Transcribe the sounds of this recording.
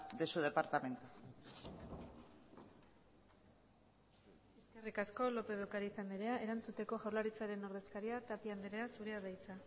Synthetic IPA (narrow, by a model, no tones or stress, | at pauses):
d̪esuðe̞paɾt̪ame̞nt̪u | eske̞rikasko̞lo̞pe̞βekaɾiːsand̪eɾe̞aʔe̞ɾant͡sut̪e̞ko̞ʝawɾlaɾit͡saɾe̞no̞ɾðe̞skaɾiat̪apiand̪eɾeasuɾeaðajt͡sa